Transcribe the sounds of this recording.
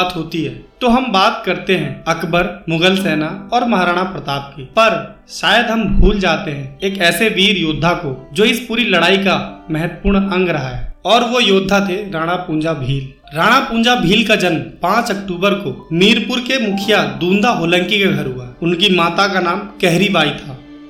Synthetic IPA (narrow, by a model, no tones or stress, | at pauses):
t̪ɦoːt̪iɦɛːt̪oːɦɐmbaːt̪kɐɾt̪eɦɛ̃ɐkbəɾmʊɡəlsɛːnaɔːɾmɐɦaːɾaːɽ̃apɾət̪aːp̚kipɐɾ | ʃaːjəd̪ɦɐmbʱuːld͡ʒaːt̪eɦɛ̃eːkɛːseʋiːɾjoːd̪ʱːakod͡ʒoːɪspuːɾilɐɽaːikamɛɦət̪ːpuːɾɽ̃ɐ̃ŋɡɾɐɦaɦɛːɔːɾʋojoːd̪ʱːat̪ʰeɾaːɽ̃apũːnd͡ʒabʱiːl | ɾaːɽ̃apũːnd͡ʒabʱiːlkad͡ʒɐnmpãːt͡ʃɐkʈuːbəɾkomiːɾpʊɾkemʊkʰɪjad̪ũːnd̪aɦoːlə̃ŋkikeɡʱɐɾɦʊaʊnkimaːt̪akanaːmkɛɦɾibaːit̪ʰaː